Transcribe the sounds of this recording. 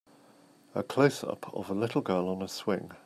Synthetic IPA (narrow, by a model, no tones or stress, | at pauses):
əkʰl̥əʊsʌ̰pʰə̰vəlɪtˡl̩ˠɡɜːlə̃nəswɪ̃ŋ